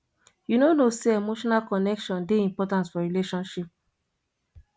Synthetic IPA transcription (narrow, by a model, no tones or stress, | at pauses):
junonoseemoʃɔnalkɔnɛkʃɔ̃ndeĩmpɔtãnsfɔɹileʃɔ̃nʃip̚